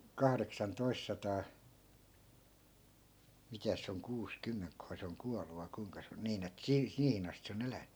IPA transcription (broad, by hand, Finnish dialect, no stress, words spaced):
kɑhreksɑntois sɑtɑː mitæs se oŋ kuːskymːeŋkːohɑˑ se oŋ kuɑlu ʋɑi kui̯ŋkɑ se on niːn et siː siːhin ɑstĭ se on elænːy